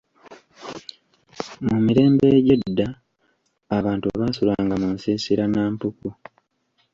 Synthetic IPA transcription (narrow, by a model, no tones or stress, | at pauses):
mumiɾe̞ːmbe̞ɟedːaː | βaːntua̰βaːsulaːŋɡamunsiːsiɾanaːmpuku